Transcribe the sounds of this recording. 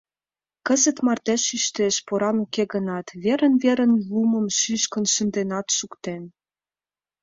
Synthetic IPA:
kəzə̆t̪mɑrt̪eʃyʃt̪eʃpoɾɑnukeɣə̆nɑt̪βeɾə̆nveɾə̆nlumə̆mʃyʃkə̆nʃənd̪enɑt̪ʃukt̪en

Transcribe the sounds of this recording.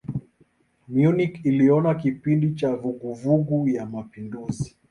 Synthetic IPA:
mjunikiliɔnakipindit͡ʃavuɡuvuɡujamapinduzi

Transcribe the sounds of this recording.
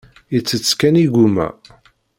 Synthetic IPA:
ət͡sːət͡sːkæniɡumæ̰

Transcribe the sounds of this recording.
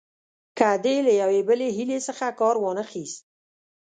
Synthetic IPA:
kad̪elajawebəleɦilesəxakɑɾwɑnəxist̪̚

